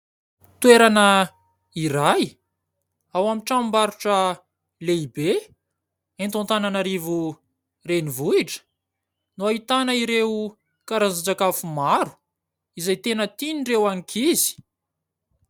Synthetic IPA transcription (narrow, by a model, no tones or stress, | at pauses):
t̪weɾanə | iɾaj | awamiʈ͡ʂammbaɾuʈ͡ʂə | leibe | ent̪õnt̪ananaɾivu | renivuiʈ͡ʂə̥ | nuaɦit̪anəiɾeu | kaɾad͡zad͡zakafumaɾu̥ | izajt̪enət̪inirewaŋikʰizi̥